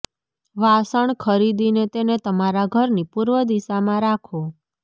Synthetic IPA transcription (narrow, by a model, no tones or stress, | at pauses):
ʋasəɳkʰəɾid̪inet̪enet̪əmaɾaɡʱəɾnipuɾʋəd̪isamãɾakʰo